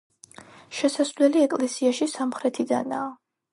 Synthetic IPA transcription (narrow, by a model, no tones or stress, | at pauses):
ʃɛsasvlɛliɛkʼlɛsiaʃisamχɾɛt̪ʰid̪a̰naː